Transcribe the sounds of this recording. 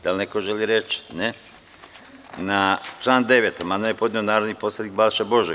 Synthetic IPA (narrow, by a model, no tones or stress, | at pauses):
d̪̥alnekoʒeliɾet͡ʃne | nat͡ʃlˠaːnd̪eʋet̪omad̪ojepo̞d̪nionaːɾod̪nipo̞slʲˠed̪ik̚balʃebo̞ʒe